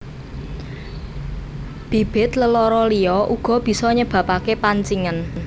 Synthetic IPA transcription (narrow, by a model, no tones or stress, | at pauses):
b̥i̤b̥ɪ̤t̪ləlɔɾɔliɔʔuɡ̥ɔ̤b̥i̤sɔɲəb̥ä̤pakepaɲt͡ʃiŋən